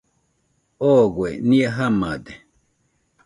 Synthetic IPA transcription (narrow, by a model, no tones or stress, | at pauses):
ɔɡwɛniaɦamad̪ɛ